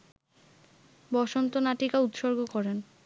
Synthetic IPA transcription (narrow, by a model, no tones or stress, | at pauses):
bɔʃont̪onaʈikaut̪ʃoɾɡokɔɾen